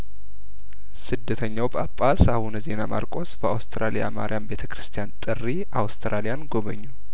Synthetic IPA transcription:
sɨd̪ːət̪ʰəɲːawbəapʼːasahunze̞nama̰ɾkʷʼo̞sbəawst̪ʰɨɾʔalija̰ma̰ɾʔijambe̞t̪ʰəkɾɨst̪ʰijant̪ʼɨrːiʔawst̪ʰɾalijanɡo̞βə̰ɲːu

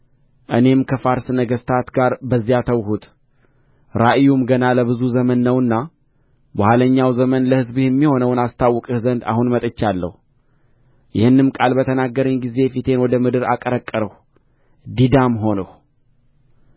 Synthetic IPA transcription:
ʔɨne̞mkʰəfaɾsɨnəɡəst̪ʰat̪ɡaɾbəzːijat̪ʰəwhut̪ʼ | ɾaʔjumɡənaləβɨzuzəmənːəwɨnːa | bahaləɲːawzəmənləhɨzbɨhɛmːiho̞nəwnast̪ʰawːɔkʼɨhzənd̪a̰hunmət̪ʼət͡ʃːalːə̰hu | jɪhɨnːɨmkʼalbət̪ʰənaɡːəɾəɲɡize̞fit̪ʰe̞nwɔd̪əmɨd̪ɨɾa̰kʼəɾəkʼːəɾəh | d̪id̪amɦo̞nəh

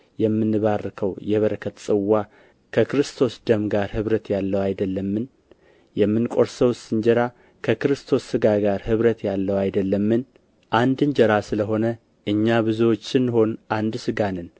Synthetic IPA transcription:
jɛmːɨnːɨβarːkʰəwjɛβəɾəkʰːət̪sʼɨwːa | kʰəkɨɾɨst̪ʰo̞sd̪əmɡaɾhɨβɾət̪jalːəwajd̪əlːəmːɨn | jɛmːɨnkʼo̞ɾsəwsɨnd͡ʒɛɾa | kʰəkɨɾɨst̪ʰo̞sːɨɡaɡaɾhɨβɾət̪jalːəwajd̪əlːəmːɨn | ʔand̪ɨnd͡ʒɛɾasɨləɦo̞nə | ʔɨɲːaβɨzuwo̞t͡ʃːɨnːho̞nʔand̪sɨɡanɨn

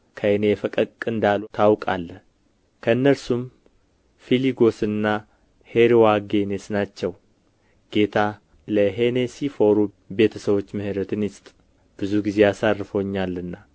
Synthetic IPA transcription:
kʰəʔnejɛfəkʼəkʼɨnd̪alut̪ʰawkʼa̰lːə | kʰəɨnːəlsum | filiɡo̞sɨnːa | he̞ɾiwaɡe̞nesnat͡ʃːɛw | ɡ̥e̞t̪ʰa | ləɦe̞ne̞sifo̞ɾu | be̞t̪ʰəsəβo̞t͡ʃːməhɨɾət̪ʰɨnɪst̪ʼ | b̥ɨzuɡize̞jasarːɨfo̞ɲːalːɨnːa

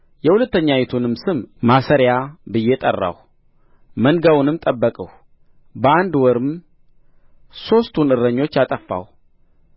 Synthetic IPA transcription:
jɛhulət̪ːəɲːajet̪ʰunɨmsɨmmasəɾjabɨjet̪ʼə̰rːa̰w | mənɡawunɨmt̪ʼəbːəkʼəw | bəand̪wɔɾɨm | so̞st̪ʰunɨɾːəɲːo̞t͡ʃːjat̪ʼəfːa̰w

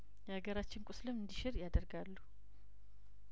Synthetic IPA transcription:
jɛhaɡəɾat͡ʃːɪnkʼʊsləmɨnd̪iʃɪɾjad̪əɾɡalːu

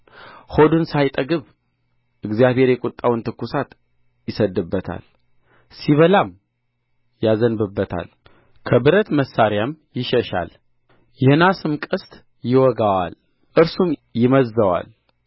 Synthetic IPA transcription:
hod̪unsajt̪ʼəɡɨβ | ʔɨɡzijaβhe̞ɾjɛkʼut̪ʼːawɨnt̪ʰɨkːusat̪ | jɪsəd̪ːɨbːət̪ʰa̰l | siβəlam | jazənbɨbːət̪ʰa̰l | kʰəbɨɾət̪məsːaɾjamjɪʃəʃa̰l | jɛhnasɨmkʼɨst̪ʼ | jɪwɔɡawa̰l | ʔɨɾsumjɪməzːəwa̰l

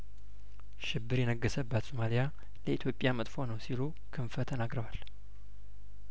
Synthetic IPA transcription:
ʃɪbːɨɾjɛnəɡːəsəbːət̪somalija | ləit̪ʰjo̞pʼjamət̪ʼfo̞nəwsilu | kʰɨɱfət̪ʰənaɡɾəwal

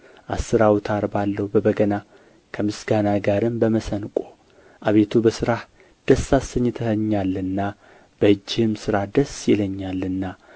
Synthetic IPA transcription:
ʔasːɨɾawt̪ʰaɾbalːəhwbəbəɡəna | kʰəmɨsɡanaɡaɾɨmbəməsənkʷʼo | ʔaβe̞t̪ʰubəsɨɾah | d̪̥əsːasəɲːɪt̪ʰəhəɲːalːɨnːa | b̥əɨd͡ʒːɪhɨmsɨɾahd̪əsjɛləɲːalːɨnːa

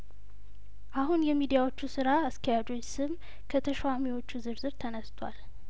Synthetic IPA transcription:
ʔaɦunjɛmid̪ijawo̞t͡ʃːusɨɾaːskʰəjad͡ʒo̞ɲsɨm | kʰət̪ʰəʃwamiwo̞t͡ʃːuzɨɾzɨɾt̪ʰənəst̪ʰwʷa̰l

